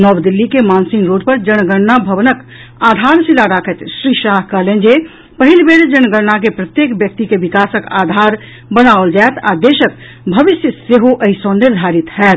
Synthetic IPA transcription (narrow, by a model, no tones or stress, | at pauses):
nəʋd̪ɪlːikemaːnsɪ̃ŋɡɾoːɖpəɾd͡ʒəñɡəɽnabʱəʋənək | aːd̪ʱaːɾsilaɾakʰət̪ʃɾiːʃaːɦkəɦlẽnd͡ʒe | pəɦɪlbeːɾd͡ʒənɡəɾnak̬epɾət̪jeːkbjək̚t̪ikeʋɪkaːsəka̰ːd̪ʱaːɾ | bənaold͡ʒaɛt̪a̰d̪eːʃək̚ | bʱəʋɪsjəseɦoʔəɪsɔ̃nɪɾd̪ʱaːɾɪt̪ɦɛːt̪